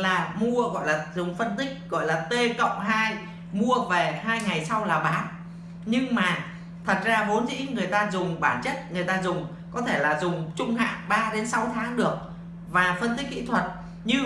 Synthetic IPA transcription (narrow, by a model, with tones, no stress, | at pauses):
laː˨˩mu˧əɣɔ̰˧˨jlaː˨˩zʊ˨˩ŋ͡mfə˧nt̪ï˦˥k̚ɣɔ̰˧˨jlaː˨˩t̪e˧kə̰˧˨wŋ͡mɦaː˧j | mu˧əve˨˩ɦaː˧jŋa˨˩jsa˧wlaː˨˩ɓaː˨˦ | ɲɨ˧ŋmaː˨˩ | t̪ʰə˨˩t̚zaː˧vo˨˦nzḭ˧˥ŋɨ˨˩əjt̪aː˧zʊ˨˩ŋ͡mɓaː˧˩nt͡ɕə˦˥t̚ŋɨ˨˩əjt̪aː˧zʊ˨˩ŋ͡m | kɔ˨˦t̪ʰe˧˩laː˨˩zʊ˨˩ŋ͡mt͡ɕʊ˧ŋ͡mɦa̰ː˧˨ŋɓaː˧ɗe˨˦nsa˨˦wt̪ʰaː˨˦ŋɗɨ˨˩ək̚ | vaː˨˩fə˧nt̪i˦˥k̚ːkḭ˧˨t̪ʰwə˨˩t̚ | ɲɨ˧